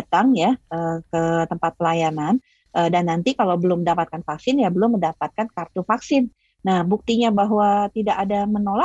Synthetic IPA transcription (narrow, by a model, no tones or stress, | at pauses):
t̪aŋjaəkət̪əmpat̪̚pəlajanan | ʔədanːant̪ikalawbəlʊməndapat̪̚kanfaksɪnjabəlʊmːəndapat̪̚kankart̪ufaksɪnː | ahbuk̚t̪iɲabaɦwat̪idaʔadamənola